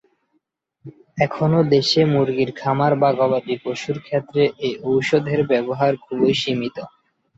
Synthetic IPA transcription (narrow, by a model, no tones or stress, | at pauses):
ɛkʰonod̪eʃemuɾɡiɾkʰamaɾbaɡɔbad̪ikoʃuɾkʰet̪ːɾeʔeʔowʃod̪ʱeɾbɛboɦaɾkʰulojʃimit̪o